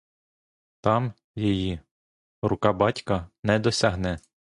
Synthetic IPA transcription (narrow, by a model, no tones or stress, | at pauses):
t̪ɑm | jɔji | rʊkɑbɑtʲkɐnɛd̪ɔsʲɐɦnɛ